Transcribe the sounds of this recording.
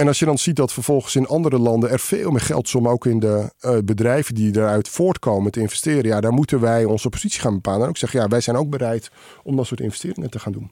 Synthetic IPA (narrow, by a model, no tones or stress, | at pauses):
ɛnɑlˠsjədɑnz̥it̚dɔtfərv̥ɔlˠχənsɪnɑndəɾəlɑndənɛrfeːlˠmɪːrχɛ̰lˠtsɔmowkɪndəbədrɛjvəndidaɾœɥtfoːɹtkʰowməntəɪnvɛstɪːɾənjadaːrmutənʋɛjɔnzəpozitsi̥χaːnbəpaːlˠənoksɛχənjaʋɛjzɛjnowɡ̚bəɾɛjt | ɔmdɔtsʊːtɪ̰nvɛ̥stɪːɾɪŋətəχaːndun